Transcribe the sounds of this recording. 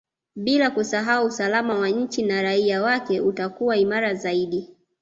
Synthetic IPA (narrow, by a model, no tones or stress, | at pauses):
ɓilakusaɦauːsalamawaɲ̩t͡ʃinaɾaiawakɛutakuwaimaɾazaiɗi